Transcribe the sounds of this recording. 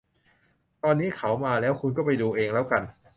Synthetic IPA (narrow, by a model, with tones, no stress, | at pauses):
t̪ɔː˧nːiː˦˥kʰa˩˦wmaː˧lɛː˦˥wkʰu˧nkɔː˥˩pa˧jduː˧ʔeː˧ŋlɛː˦˥wka˧n